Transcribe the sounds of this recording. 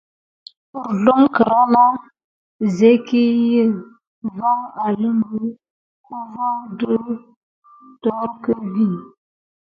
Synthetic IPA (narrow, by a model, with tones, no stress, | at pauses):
ə˨ɾdo˦ŋkə˨ɾa˦la˦ | ze˦ki˦jə˦˨ | va˦ŋa˨lə˦mbə˦ | ku˦va˦də˦ | tɔ˨˦ɾkə˦vi˦˨